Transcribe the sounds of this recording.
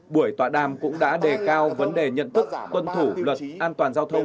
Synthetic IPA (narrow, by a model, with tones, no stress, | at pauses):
ɓu˧˩əjt̪waː˧˩ɗaː˨˩mkʊ̰˧˥ŋ͡mɗa̰ː˧˥ɗe˨˩kaː˧wvə˨˦nɗe˨˩ɲə̰˧˨nt̪ɨ˦˥k̚kwə˧nt̪ʰu˧˩lwə˨˩t̚ʔaː˧nt̪waː˨˩nzaː˧wt̪ʰə˧wŋ͡m